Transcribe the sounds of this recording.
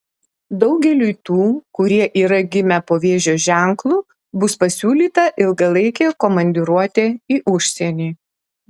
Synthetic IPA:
d̪ɒʊɡʲɛlʲujt̪uːkʊɾʲiɛʔiːɾɐɡʲɪmʲɛpoːʋʲeːʒʲoːʒʲæˑŋklˠuː | bʊspɐsʲuːlʲiːt̪ɐʔɪlˠɡɐlˠɐɪkʲɛːkoːmɐnʲd̪ʲɪɾuɔt̪ʲeːiːʔʊʃʲsʲɛnʲiː

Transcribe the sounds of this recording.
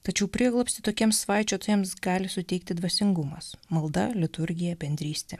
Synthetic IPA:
t̪ɐt͡ʃʲɛʊpʲɾʲiɛɡlˠɔpʲst̪ʲɪt̪oːkʲiɛmsːʋɑˑɪt͡ʃʲoːt̪ɐjɛmsɡɑːlʲɪsʊt̪ʲɛɪk̚t̪ʲɪd̪ʋɐsʲɪŋɡʊmɐsmɐlˠd̪ɐlʲɪt̪ʊɾʲɡʲɪjɛbʲɛnʲd̪ʲɾʲiːsʲt̪ʲɛː

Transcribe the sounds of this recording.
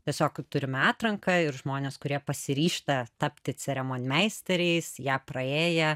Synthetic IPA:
tʲiɛsʲoːkt̪ʊɾʲɪmɑːt̪ɾɐŋkɐɪɾʒmoːnʲeːskʊɾʲiɛpɐsʲɪɾʲiːʃt̪ɐt̪ɐpʲt̪ʲɪt͡sʲɛɾʲɛmoːnʲmʲɛɪsʲt̪ʲɛɾʲɛɪsjæːprɐeːjɛ

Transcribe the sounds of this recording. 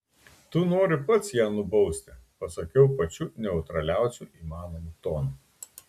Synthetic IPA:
t̪ʊnoːɾʲɪpɐt̪sjæːnʊbɐʊsʲt̪ʲɪpɐsɐkʲɛʊpɐt͡ʃʲuːnʲɛʊt̪ɾɐlʲæˑʊsʲuʔiːmɑːnomut̪oːnu

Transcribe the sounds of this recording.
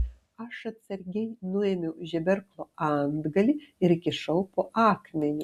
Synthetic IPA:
ɐʃɐt̪sɐɾʲɡʲɛjnʊemʲɛwʒʲɛbʲɛɾklˠoːɑnd̪ɡɐlʲiɪɾkʲɪʃɐwpoːʔɑːkmʲɛnʲɪ

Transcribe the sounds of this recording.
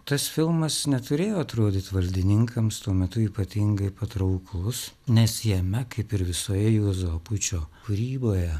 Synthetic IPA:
t̪ɐsfʲɪlˠmɐsnʲɛt̪ʊɾʲeːjoːɐt̪ɾoːd̪ʲɪt̪ʋɐlʲd̪ʲɪnʲɪŋkʰɐmst̪uɔmʲɛt̪ʊiːpɐt̪ʲɪŋɡɐɪpɐt̪ɾɐʊklˠʊsnʲɛsjɛmʲɛkɐɪpɪɾʋʲɪsoːjɛjuɔzɐpʊt͡ʃʲoːkʊɾʲiːboːjɛ

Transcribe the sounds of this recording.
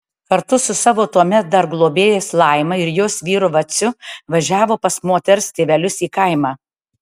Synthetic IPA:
kɐɾt̪ʊsʊsɑːʋoːt̪uɔmʲɛt̪̚d̪ɐɾɡlˠoːbʲeːjeːslˠɐɪmɐɪɾjoːsʋʲiːɾʊʋɐsʲʊʋɐʒʲæːʋoːpɐsmoːt̪ʲɛɾʊst̪ʲeːʋʲɛlʲʊsiːkɐɪmɑː

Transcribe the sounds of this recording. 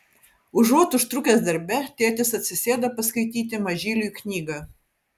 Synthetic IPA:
ʊʒuɔt̪ʊʃt̪ɾʊkʲeːsd̪ɐɾʲbʲɛt̪ʲeɛt̪ʲɪsɐt̪ʲsʲɪsʲeːd̪ɐpɐskɐɪt̪ʲiːt̪̬ʲɪmɐʒʲiːlʲuknʲiːɡɑˑ

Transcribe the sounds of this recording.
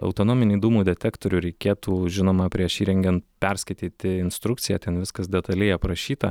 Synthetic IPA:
ɐ̰ʊt̪oːnoːmʲɪnʲʊːd̪uːmuːd̪ʲɛt̪ʲæːkt̪oːɾʲuːɾʲɛɪkʲeːt̪uːʒʲɪnoːmɐpʲɾʲiɛʃiːɾʲɛŋʲɡʲɛnt̪pʲɛɾʲsʲkɐɪt̪ʲiːt̪ʲɪɪnst̪ɾʊkt̪sʲɪjɛːt̪ʲɛnʋʲɪskɐsd̪ʲɛt̪ɐlʲɛɪɐpɾɐʃʲiːt̪ɐ

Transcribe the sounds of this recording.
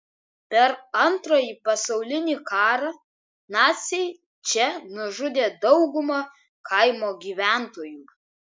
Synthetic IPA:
pʲɛɾɐnt̪ɾoːjiːpɐsɐʊlʲɪnʲiːkɑːɾɑ | nɑːt̪sʲɛɪ | t͡ʃʲɛnʊʒʊd̪ʲeːd̪ɒʊɡʊmɐ | kɐɪmoːɡʲiːʋʲæˑnt̪oːjuː

